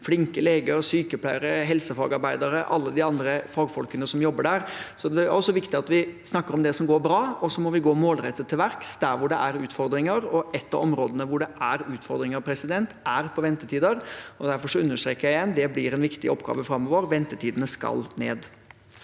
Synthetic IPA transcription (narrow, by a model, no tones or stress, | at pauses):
flɪŋkəleːɡəɾsyːkəpʰlæɪəɾəɦɛlsəfɑːɡɑɾbæɪd̪ɑɾəʔɑlːəd̪ɪɑnd̪ɾəfɑːɡfɔlkənəsɔmjɔbːəɖæɾsɔd̪ɛæɾɔsːɔʋɪkt̪ɪɑt̪ʋɪsnɑkːəɾɔmd̪ɛsɔmɡoːɾbɾɑːɔsɔmɔʋɪɡoːmoːlɾɛt̪ːət̪ʰːɪlʋæɾksd̪æɾʋʊɖɛʔæɾʉːt̪fɔɾd̪ɾɪŋəɾɔʔɛt̪ːɑ̰ɔmɾoːd̪ənəʋʊɖɛʔæɾʉːt̪fɔɾd̪ɾɪŋɑɾpʰɾɛsɪd̪ɛnt̪æɾpʰɔʋɛnt̪ət̪ʰiːd̪əɾɔd̪æɾfɔʂɔʉnːəʂʈ̪ɾeːkːəjæɪɛnd̪ɛblɪɾɛnʋɪkt̪ɪ̰ɔpːɡɑ̰ːʋəfɾɑmːɔʋəɾʋɛnt̪ət̪ʰiːd̪ənəskɑ̰lnḛːd̪